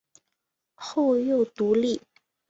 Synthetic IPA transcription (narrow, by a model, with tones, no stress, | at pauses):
xo˥˧ʊjo˥˩ʊt̪u˧˥li˥˩